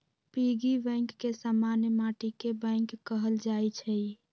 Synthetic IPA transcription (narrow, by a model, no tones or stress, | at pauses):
piɡibə̃ŋkːesamanjəmaʈikebə̃ŋkkːəɦəld͡ʒajt͡ʃʰɛ